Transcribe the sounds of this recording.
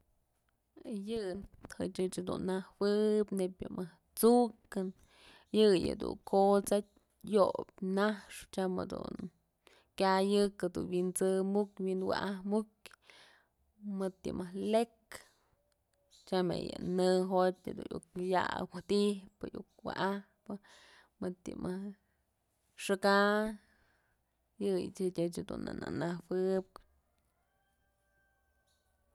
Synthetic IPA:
jɨhɨt͡ʃɨt͡ʃhad̪unːahwɨpnepʲjɨmɨh | t͡sukɨn | jɨjɨ̰d̪ṵŋkʰot͡satʲ | jop̚ʲnahʂt͡ʃamɨ̰d̪ṵn | kʲajɨkɨd̪unwint͡sɨmukʲwinwa̰ʔahmukʲ | mɨt̪jɨmɨhlek | t͡ʃamḛjɨ̰nɨɦot̪ʲad̪unʔukja̰wat̪ihpɨ̰juk̚waʔahpɨ | mɨt̪ːḭmʔɨh | ʂɨka | jɨjit͡ʃɨtʲɨt͡ʃad̪una̰nanahwɨp̚

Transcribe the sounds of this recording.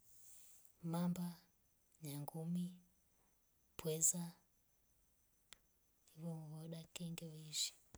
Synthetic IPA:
mamba | ɲaŋɡumi | pwɛza | hivɔwɔɗakɛŋɡɛwiʃi̥

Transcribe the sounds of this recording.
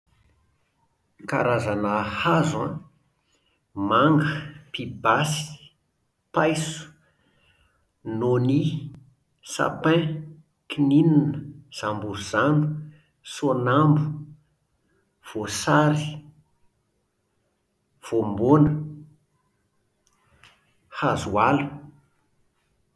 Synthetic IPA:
ka̰ɾazanaːhazã̰ | maŋɡəpibasi̥ | pajsu̥ | noni | sa̰pɛ̃ | kinininəz̥ambuɾuz̥anu̥ | sonambu | v̥osaɾi | v̥ombonə | hazualu̥

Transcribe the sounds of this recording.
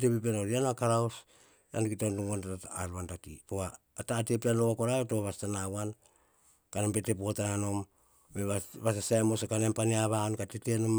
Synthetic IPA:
tepip̬enoɾianakaɾaws | a̰nkitonduŋonatataːlantatḭpoaː | taːtepealoakoɾaetoβastanawan | kanempete̞p̬oatananom | meβaβas̬asaemosokanempaniaβankatetenom

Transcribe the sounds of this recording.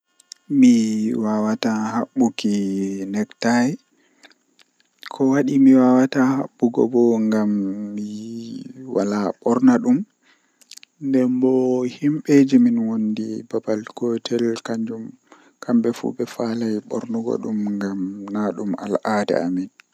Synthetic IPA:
miwawatahaɓːukinɛktaj | kʰɔwaɗimiwawataha̰ɓːuɡɔ̰bɔŋɡamːi | walaɓɔɾnaɗum | ndɛmbɔhimɓed͡ʒiminwondibabalkɔtʰɛlkaɲd͡ʒum | kʰambɛfṵɓɛfalajɓɔ̰ɾnuɡɔ̰ɗumŋɡamnaɗuma̰lʔadɛ̰a̰min

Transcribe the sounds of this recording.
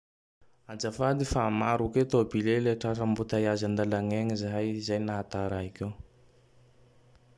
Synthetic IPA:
ad͡ʒafad̪ifaːmaɾuket̪obileleʈ͡ʂaʈ͡ʂəmbut̪ajazand̪alaŋeŋizajizajnaat̪aɾaɦikew

